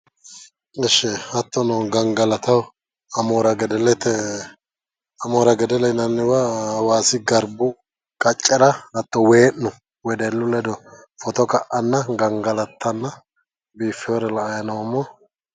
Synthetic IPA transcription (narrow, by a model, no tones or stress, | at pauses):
ɛʃːɛɐt̪ːɔnɔɡɐŋɡɐlɐt̪ɐw | ɐmoːɾɐɡɛd̪ɛlɛt̪ːɛ | ɐmoːɾɐɡɛd̪ɛlɛnɐnːɪwawaːsɪɡɐɾbʊ | kʼɐt͡ʃʼːɛɾɐɐt̪ːɔweːʔnʊ | wɛd̪ɛlːʊlɛd̪ɔ | fɔt̪ɔkɐʔɐnːɐɡɐŋɡɐlɐt̪ʰːɐnːɐ | biːfːɪɔɾɛlɐːjɐnɐwɐmːɔ